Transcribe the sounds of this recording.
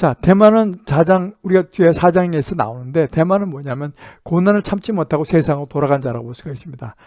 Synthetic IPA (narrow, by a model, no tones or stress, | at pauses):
t͡ɕate̞manɯnt͡ɕad͡ʑaŋuɾiɡatuesʰad͡ʑaŋesʰɯna̰onɯnde̞te̞manɯnmwʌɲamjʌnkonanɯɭt͡ɕʰamt͡ɕ͈ʰimʌtʰaɡosʰe̞sʰaŋɯɾotoɾaɣand͡ʑaɾa̰bosʰuɡais͈ɯmɲid̥a